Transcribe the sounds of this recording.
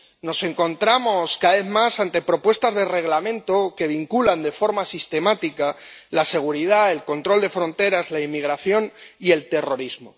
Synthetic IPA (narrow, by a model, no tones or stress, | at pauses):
no̞se̞ŋko̞nt̪ɾamo̞skaaβe̞θmasant̪e̞pɾo̞pwe̞st̪azðe̞re̞ɣ̞lamẽ̞nt̪o̞ke̞β̞iŋkuland̪e̞fo̞ɾmasist̪emat̪ikalase̞ɣ̞uɾiðae̞lko̞nt̪ɾo̞ld̪e̞fɾo̞nt̪e̞ɾazlaimiɣɾaθjo̞nie̞lt̪e̞ro̞ɾizmo